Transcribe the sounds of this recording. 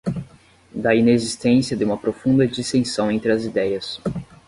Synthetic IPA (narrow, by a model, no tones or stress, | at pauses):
d̪ɐinezist̪ẽsiɐd̪ɪumɐpɾofũnd̪ɐd͡ʒisẽsɐ̃w̃ẽnt̪ɾɪɐzid̪ɛjɐs